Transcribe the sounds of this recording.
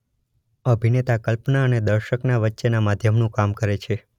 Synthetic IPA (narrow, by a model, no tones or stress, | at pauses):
əbʱinet̪akəlpnaəned̪əɾʃəknaʋətːʃenamad̪ʱjəmnũkamkəɾet͡ʃʰe